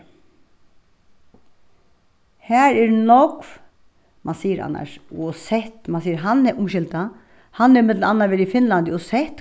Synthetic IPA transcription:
hɛːɹɛɾnɔkv | mansiːəɾa̰nːa̰ʂɔsɛht̪mansiːəɾɦanɛʔʊmʃɪlt̪a | hanːɛɾmɪt̪l̩anːaʋɛːɾifɪnlant̪ɪɔsɛht̪

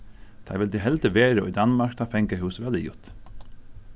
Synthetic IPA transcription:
d̪̥ʰæ̰ːɾʋɪld̪iːɦɛlt̪əʋeːɾəɔ̰iːd̪ɑnmɑɾkt̪ʰɑːfɛŋkəɦʉːsʋɛld̪ɪjʊ̰t̪

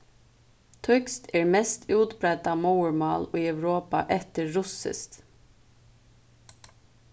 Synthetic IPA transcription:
t̪ʰœkst̪eːɹmɛst̪ʰʉːt̪bɾɛt̪ɑːmɑʊəɹmɑ̰ːliːœʋɹoːpɑ̰ʔɛt̪əɹʊsə̰st̪

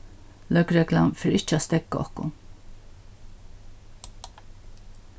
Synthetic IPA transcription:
ləkɾɛkla̰mfɾiʃt͡ʃʰast̪ɛkːɔ̰χkṵm

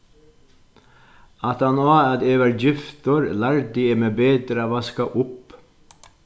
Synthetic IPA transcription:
ɑt̪ɑnoːɑd̪eːʋəɾjɪft̪ɔɾlæɹd̪ieːmeːbeːd̪ɾəʋɑskɑʔʊp

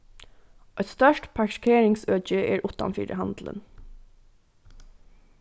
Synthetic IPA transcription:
ʔɛt̪st̪œʃʈpʰɑʃkʰeːɹɪŋsøːc͡çəʔḛːɹʔʊʉt̪ɑ̰mfḭːɾə̰hɑnd̪lə̰n

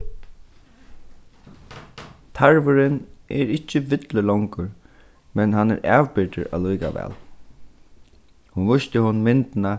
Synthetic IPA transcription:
t̪ʰaɹʋʊɾɪnɛɹɪt͡ʃːəʋɪt̪ləlɔwŋkəɾ | mɛnɦanɛ̰ɾʔæːʋpɪt̪ə̰ɾa̰lujkaʋɛ̰ːl | hʊnvʊʃt̪əhʊnmɪnt̪na

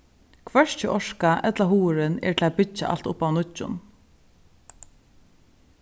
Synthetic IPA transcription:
kʰʋɛʃcʰɪʔɔʃkaʔɛt̪laɦuːɹɪnɛ̰ːɹʈʰɪl̩abʏt͡ʃa̰ʔa̰lt̪ʊpaʋnʊt͡ʃːʊ̰n

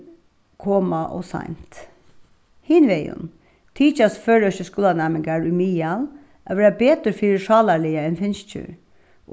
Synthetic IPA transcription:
kʰɔːmaʔɔ̰sa̰ɪnt̪ | hinʋɛːjʊ̰n | t̪ʰiːt͡ʃasføːɹœʃəskuːlanæmɪŋɡaɹʉmiːal | ʔaʋeːɾabeːt̪əɾfiːɾɪʂɑːlalɪaɛnfɪnst͡ɕə̰ɹ

